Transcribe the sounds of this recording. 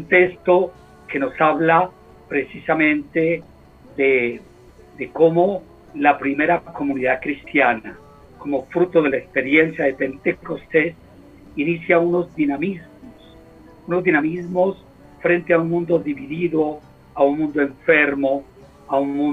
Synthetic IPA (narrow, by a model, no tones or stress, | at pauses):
nt̪est̪o | ke̞no̞saβla | pɾesisamẽ̞nt̪e | ðe | d̪ekomo | lapɾimeɾako̞mũniðaðkɾist̪jana | ko̞mofɾut̪oðe̞laekspe̞ɾjensjaðepent̪ekost̪es | inisjauno̞zd̪inamizmos | unozðinamizmos | fɾe̞nt̪eaunmũnd̪oðiβiðiðo | aunmũnd̪oe̞ɱfeɾmo | aunmũ